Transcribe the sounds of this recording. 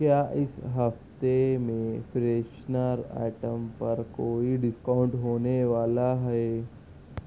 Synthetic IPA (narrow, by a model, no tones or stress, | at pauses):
kjaːʔɪsɦɐft̪emẽfɾeːʃnəɾa̰ːʈəmpɐɾkoːiɖɪskaʊ̃ɳʈɦoːneʋaːlaɦɛe